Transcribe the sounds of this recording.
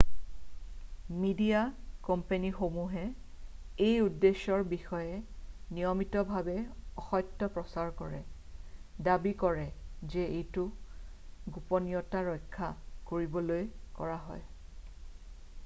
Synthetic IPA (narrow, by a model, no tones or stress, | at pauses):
midijakɔmpenixomuɦɛ | ejudːesɔɹbixɔjɛnijɔmitɔbʱabɛɔxɔjtːɔpɹɔsaɹkɔɹɛ̰ | dabikɔɹɛzɛejtʊ | ɡupɔnijɔtaɹɔjkʰːakoɹibɔlojkɔɹaɦɔ̰j